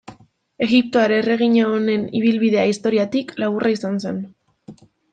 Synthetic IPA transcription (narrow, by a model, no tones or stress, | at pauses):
e̞ɣip̚t̪oaɾere̞ɣ̞iɲaone̞niβ̞ilβiðe̞aist̪o̞ɾiat̪iklaɣurʔaisansen